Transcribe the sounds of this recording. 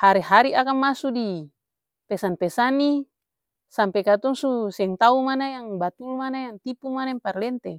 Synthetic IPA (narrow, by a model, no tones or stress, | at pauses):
haɾiɦaɾiakamːasudi | pɛsanpɛsani | sampekat̪uŋsusɛŋt̪aumanajaŋbat̪ulmanajaŋt̪ipumanaimparlɛnt̪e